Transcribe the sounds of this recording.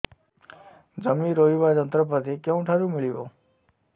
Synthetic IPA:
d͡ʒəmiɾojuʋad͡ʒənt̪ɾəp̬ət̪ikjə̃w̃ʈʰaɾũmiɭiʋo̰

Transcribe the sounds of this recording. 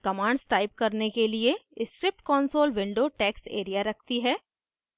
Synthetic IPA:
kɐmãːɳɖsʈaːɪp̚kɐɾnekelieɪskɾɪp̚ʈkɔːnsoːlʋɪ̃ɳɖoːʈɛːkseːɾijaɾɐk̚ʰt̪iɦɛː

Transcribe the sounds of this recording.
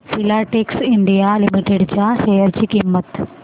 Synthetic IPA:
silaʈeksiɳɖijalimiʈeɽt͡ɕahejəɾt͡ɕiːkimːət̪

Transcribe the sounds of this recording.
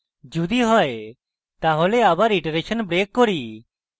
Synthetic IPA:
d͡ʒud̪iɦɔe | t̪aɦɔleaːbaɾiʈɾeʃənbɾeːkːɔɾi

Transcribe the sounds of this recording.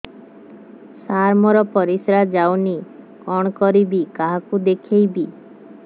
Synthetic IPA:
saɾmɔɾɔpɔɾisɾad͡ʒawni | kɔɽ̃kɔɾibikaɦakud̪ekʰejbi

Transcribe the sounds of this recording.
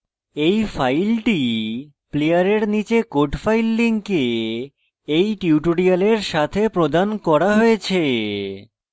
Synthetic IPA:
ejfajlʈi | plejaɾeɾnit͡ɕekoʈfajlːiŋke | ejʈiuʈoɾialeɾʃat̪ʰepɾod̪ankɔɾaɦoet͡ɕʰe

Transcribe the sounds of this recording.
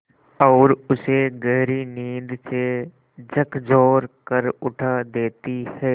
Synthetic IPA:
ɔːɾʊseɡɛɦɾiniːd̪se | d͡ʒəkʰd͡ʒɔːɾkəɾʊʈʰad̪eːt̪ihɛː

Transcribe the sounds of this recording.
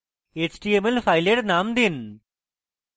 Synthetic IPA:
eːt͡ɕʈiemelfʰajleɽnaːmd̪in

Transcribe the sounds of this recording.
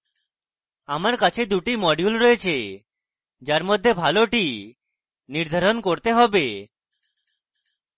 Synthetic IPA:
amaɾkat͡ʃʰed̪uʈimɔɖjulɾɔjet͡ʃʰe | d͡ʒaɾmɔd̪ʱːebʱaloʈi | niɾd̪ʱaɾonkoɾt̪eɦɔbe

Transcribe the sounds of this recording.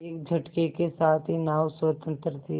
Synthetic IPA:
eːk̚d͡ʒʱɐʈkekesaːt̪ʰɦinaːwswət̪ə̃nt̪ɾət̪ʰi

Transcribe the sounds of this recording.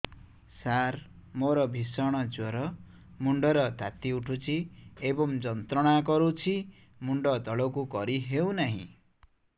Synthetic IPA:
sar | moɾʌbʱisʌɽ̃ʌd͡zwoɾʌ | muɳɖʌɾʌd̪ʱat̪iuʈʰut͡sʰiebʌmd͡zʌnt̪rʌɽ̃akʌɾut͡sʰi | muɳɖʌd̪ʌlokukʌɾiɦewnaɦḭ̃

